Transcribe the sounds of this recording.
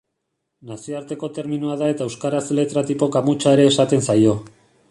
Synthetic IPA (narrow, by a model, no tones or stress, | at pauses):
nasioaɾt̪e̞ko̞t̪e̞ɾminuaðae̞t̪aewskaɾasele̞t̪ɾat̪ipo̞kamut͡ʃae̞ɾe̞ːsat̪e̞nsajo̞